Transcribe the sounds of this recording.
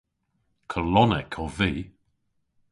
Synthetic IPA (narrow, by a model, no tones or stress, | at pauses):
kʰəlɔnɛkʰɔviː